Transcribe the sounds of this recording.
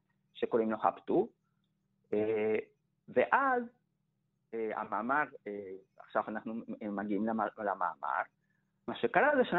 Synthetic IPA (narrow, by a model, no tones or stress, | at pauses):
ʃekoʁimloχa̰pt̪u | e | veʔaz | ea̰maːmaʁe | a̰χʃavanaχnumaɡiimlalama̰ːma̰ʁ | maʃekaʁazeʃa